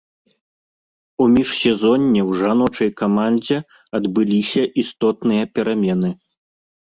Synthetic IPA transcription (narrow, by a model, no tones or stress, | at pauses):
umʲiʂsʲɛzɔnʲːɛwʐanɔt͡ʂɐjkamanʲd͡zʲɛ | ɐd̪bɨlʲisʲɐʔist̪ɔt̪nɨjɐpʲɛɾamʲɛnɨ